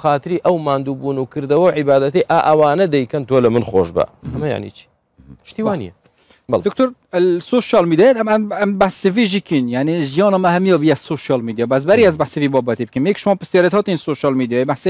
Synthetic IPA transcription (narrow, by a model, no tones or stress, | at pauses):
xaːt̪ɨɾiːʔɐwmaːnd̪uːbuːnukʰɨɾd̪ɐwɐwʕɪbaːd̪ɐt̪ijʔaːʔɐwaːnɐd̪ɛjkɐnt̪ʰoːlɐmɨnxo̰ʃbɐ̰hɐmɐja̰ʕnḭt͡ʃʰi̥ | pʰɨ̥ʃt̪iːwaːnḭjɛ | d̪ʊkt̪oːɾlsoːʃɑlmiːd̪iɑjet̪ʰæbʕanæmbaħsiviːʒiːkinjaʕniʒijɑːnɔːmæhɛmijɔbijɛsoʃjɑlmiːd̪ijɑːbæs̬bæɾiæzbaħsivibɔːbɛt̪ibɨkimjɛkʃmɑːnpɨstjɑːɾet̪hɒːt̪insoːʃɑːlmiːd̪ijɑːjebaħse